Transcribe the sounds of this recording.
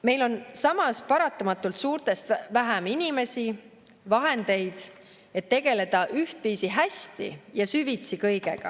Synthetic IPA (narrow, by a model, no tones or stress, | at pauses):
me̞jlo̞nsɑmɑspɑɾɑt̪ːˑɑmɑt̪ːˑult̪suːɾt̪ˑe̞st̪væɦæminʲime̞si | vɑɦe̞nd̪̥e̞jd̪̥ | e̞t̪ːe̞ɡ̥e̞le̞d̪̥ɑʔyht̪viːsiɦæsʲt̪ḭjɑsyvit̪sikɤjɡe̞̰ɡ̥ɑ̰